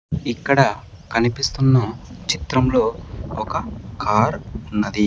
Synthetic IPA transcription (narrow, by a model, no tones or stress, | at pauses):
ikːɐɽɐ | kɐnipist̪unːɐt͡ʃit̪ɾɐmlo̞ːɔkɐkʰaːɾunːɐd̪i